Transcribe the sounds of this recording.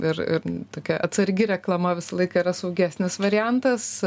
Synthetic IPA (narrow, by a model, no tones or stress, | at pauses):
ɪɾɪ̰ɾt̪oːkʲɛʔɐt̪sɐɾʲɡʲɪɾʲɛklˠɐmɐʋʲɪsɐlˠɐɪkɐiɾɐsɐʊɡʲæːsʲnʲɪsʋɐɾʲɪjænt̪ɐs